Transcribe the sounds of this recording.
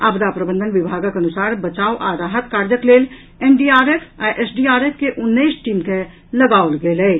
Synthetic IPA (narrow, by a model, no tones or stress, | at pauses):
aːbd̪apɾəbənd̪ʱənʋɪbʱaːɡkənʊsaːɾbət͡ʃaːoʔaːɾaːɦət̪kaːɾd͡ʒəkleːl | eːnɖiːaːɾeːpʰajʔesɖiaːɾeːpʰkeʔʊnːəisʈiːmke | ləɡaːoləɡeleː